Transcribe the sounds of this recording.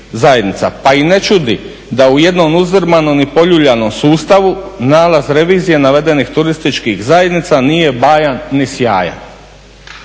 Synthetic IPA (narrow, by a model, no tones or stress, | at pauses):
zaje̞d̪nit̪sa̰paine̞t͡ʃud̪i | d̪auje̞d̪no̞muzɾ̩manomipo̞ʎuʎanomsuːst̪aʋunaːlˠazɾe̞ʋiːzije̞naʋe̞d̪e̞nixt̪uɾist̪it͡ʃkixzajed̪nit̪sanije̞baːjanːisjaːja̰n